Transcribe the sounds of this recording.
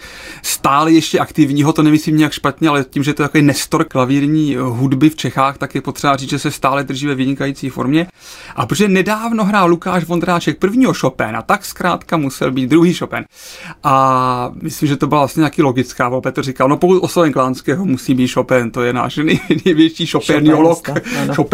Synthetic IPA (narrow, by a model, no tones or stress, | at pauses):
st̪aːlɛjɛʃcɛʔakt̪ɪvɲiːɦot̪o̞nɛmɪsliːmɲɪjakʃpat̪ɲɛalɛciːmʒɛt̪oɛt̪akoɪnɛst̪oɾklaviːɾɲiːɦudbɪft͡ʃɛxaːxt̪akjɛpot̪r̥ɛbariːt͡s̪ʒɛsɛst̪aːlɛd̪r̩ʒiːvɛvɪɲɪkajiːt͡siːfo̰ɾmɲɛ | ʔapɾoʒɛnɛdaːvno̞ɦɾaːlukaːʃvond̪ɾaːt͡ʃɛk̚pr̩vɲiːɦo̞ʃopɛ̰na̰t̪akskɾaːt̪kamusɛ̰lbiːt̪̚d̪ɾuɦiːʃopɛn | ʔamɪslimʒɛt̪o̞bɪlavlasɲɛt̪akilo̞ɡɪt͡skaːvolpɛt̪r̩rɪkalno̞pokut̪ʔosovɛɲklaːnskɛːɦomusiːmiːt̪ʃopɛnt̪ojɛna̰ːʃnɛjnɛjvjɛt͡ʃiːʃopɛnɪolokʃop